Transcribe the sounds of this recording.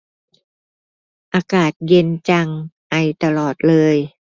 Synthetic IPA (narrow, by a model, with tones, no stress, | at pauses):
ʔaː˧kaː˨˩t̪̚je˧nt͡ɕa˧ŋʔa˧˩jt̪a˧lɔː˨˩t̪̚lɤː˧j